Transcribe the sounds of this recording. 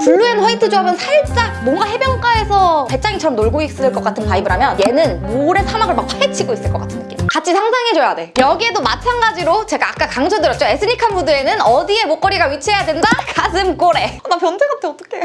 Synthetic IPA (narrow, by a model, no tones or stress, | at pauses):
puɭːuenɸwʌitʰɯd͡ʑoɦamjʌnsʰaɭt͡ɕ͈aŋ̚mwʌŋɡaɦe̞bjʌŋk͈ae̞sʰʌte̞t͡ɕ͈aŋit͡ɕʰʌɾʌmnoɭɡoik̚s͈ɯdɯɭk͈ʌk͈atʰɯnpaibɯɾamjʌnje̞nɯnmoɾe̞sʰamaɡɯɭmak̚pʰaet͡ɕʰiɡois͈ɯɭk͈ʌk͈atʰɯnːk͈imkat͡ɕʰisʰaŋsʰaŋet͡ɕoadwejʌɡie̞domat͡ɕʰanɡad͡ʑiɾot͡ɕe̞ɡaːk͈akaŋd͡ʑʰʌdɯɾʌt͡ɕ͈oes͈ʰɯɲikʰanbudue̞nɯnʌdie̞mok͈ʌɾiɡaɥit͡ɕʰe̞jadwe̞ndakasʰɯmk͈oɾe̞napjʌnd͡ʑeɡatʰeʌt͈ʌ̥kʰe̞